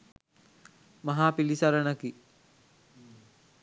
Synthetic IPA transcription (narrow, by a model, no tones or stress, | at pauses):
mɐɦaːpilisɐɾənəki